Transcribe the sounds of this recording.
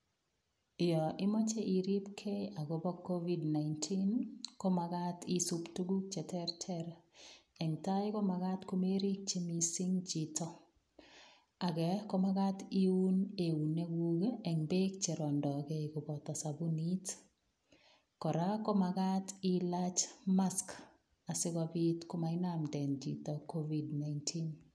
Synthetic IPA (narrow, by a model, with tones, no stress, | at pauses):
jɔ˨ʔɪ˦mɔ˦t͡ʃe˦ʔi˨ɾi˦pkʰe˦a˨ɡo˨bɔ˦kːo˦vi˦dna˨ɪntʰi˦nko˦maɡa˦ti˦su˦ptu˦ɡu˦k̚t͡ʃɛ˨tɛ˦rtʰɛɾ | ɛ˨ŋta˦jkɔ˦ma˨ɡa˦tko˦me˦ɾi˦k̚t͡ʃe˦mi˨si˦ŋd͡ʒi˨tɔ˦ | a˨ɡɛ˨kɔ˦ma˦ɡa˦ti˦u˦ne˨u˨ne˦ɡwuɡeɛ˨ŋbe˦k̚t͡ʃe˨ɾɔ˨ndɔ˨kɛ˨i˨ɡo˨bɔ˨ta˨sa˨bu˦ni˦t | kɔ˨ɾa˦kɔ˦ma˨ɡa˦ti˦la˦t͡ʃma˦sk | a˨sɪ˦ɡɔbi˦tko˦ma˨ɪ˦namdɛ˨nd͡ʒḭ˨tɔ˨ko˦vi˨dna˨jntʰin